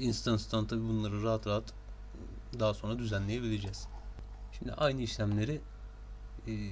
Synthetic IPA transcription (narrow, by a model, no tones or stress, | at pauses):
inst̪ʰanst̪ʰant̪ʰabiːbunlˠaɾɯɾaɦat̪ɾaat̪ | d̪aɦaso̞nɾad̪yzænlʲejebilʲed͡ʒɛz̥ | ʃimd̪ḭʔajnɯiʃlʲæmlʲe̞ɾi